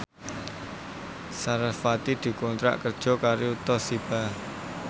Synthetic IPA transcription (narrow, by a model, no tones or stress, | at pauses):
saɾafat̪id̪̥i̤kɔnt̪ɾa̰ʔkərd̥ʒ̥ɔ̤kaɾiut̪ɔsib̥a